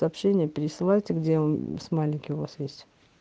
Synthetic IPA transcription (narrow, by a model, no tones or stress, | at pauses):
əɐpɕenʲɪjəpʲɪɾʲɪsɨlˠajtʲɪɡdʲemsmalʲɪnʲkʲɪjʊvasjesʲtʲ